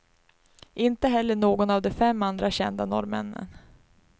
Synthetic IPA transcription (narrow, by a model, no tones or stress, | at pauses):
ʔɪnt̪əɦɛlːəɳoːɡɔnavd̪ɛfɛmːand̪ɾaɕɛ̰nd̪anɔ̰ɾmɛ̰nːə̰n